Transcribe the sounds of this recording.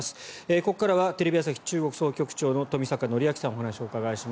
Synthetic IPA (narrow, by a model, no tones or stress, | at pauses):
sɨ̥eko̞kːaɾaβat̪e̞ɾe̞bʲias̬açʲi̥t͡ɕɨːɡo̞kɯ̟̥so̞ːkʲo̞kɯ̟̥t͡ɕo̞ːno̞t̪o̞mʲisakano̞ɾʲiakʲi̥sãɰ̃ɦanaɕio̞ːkaɡaiɕim